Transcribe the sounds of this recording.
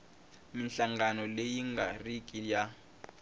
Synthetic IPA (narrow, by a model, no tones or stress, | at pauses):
minɬaŋɡanɔlejiŋɡarikʼija